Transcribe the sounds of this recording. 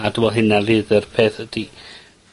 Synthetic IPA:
ad̥uwɔlˠɦɪnalɨðɛrpʰeːθəd̥i

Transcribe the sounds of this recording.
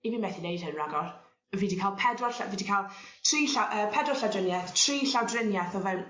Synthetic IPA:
ibiːnmɛθinejd̥̚hənraɡɔr | əviːdikʰaːlˠpʰɛdɔɬaviːdikʰalˠtʰr̥iːɬaʔəːpʰɛdɔɬawdrənjaθtʰr̥iːɬawdrɪnjaθɔvɛwn

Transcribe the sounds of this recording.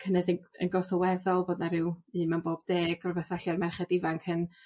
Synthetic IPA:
kʰənɛðəə̰nɡɔsɔwɛðɔlˠboːdnaɾɪwɨːmɛnboːbd̥eːɡɔrbɛθvaɬarmɛrχɛdɪvaŋkʰən

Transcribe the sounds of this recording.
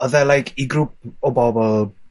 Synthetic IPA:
ɔðɛlajkʰiɡɾup̚ɔbɔbɔlˠ

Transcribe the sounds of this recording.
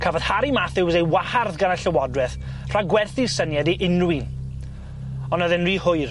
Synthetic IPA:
kʰavɔd̥haɾimaθɪwzejwaharðɡanəɬəwɔdrɛθ | r̥aɡwɛrθisənjadiʔɪnwin | ɔnaðɪnriːhʊɨr

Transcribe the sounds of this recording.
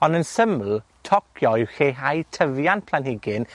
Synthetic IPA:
ɔndənsəml̩tʰɔkʰjɔɪwxeɦajtʰəvjanpʰlanhɪɡɪn

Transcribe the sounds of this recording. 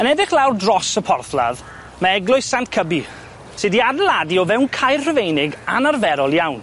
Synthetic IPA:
ənɛdɪχlˠawrdrɔsəpʰɔrθlˠa̰ð | maɛɡlˠʊɨssantkʰəbi | sɪdiadəlˠadiɔvɛwnkʰajrrəvejnɪɡa̰narvɛɾɔlˠjawn

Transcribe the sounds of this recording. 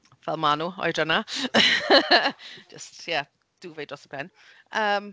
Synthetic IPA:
vɛlˠmanuːɔ̰jrəna | d͡ʒəstjɛ | d̥uːvejdrɔsəb̥ʰɛn | əːm

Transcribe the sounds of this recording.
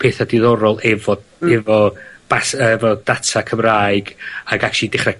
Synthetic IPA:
pʰeːθadɪðɔɾɔlˠɛvɔɛvɔb̥asəɛvɔd̥atʰakʰəmraːɨɡaɡakʃidɪχrɛ

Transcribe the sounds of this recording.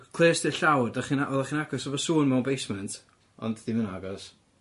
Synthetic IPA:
kʰlˠeːsd̥ɪɬawdaχinaʔɔðaχiːnaɡɔsɔvɔsuːnmɛwnbejsmɛntʰ | ɔ̰ndðiməna̰ɡɔs

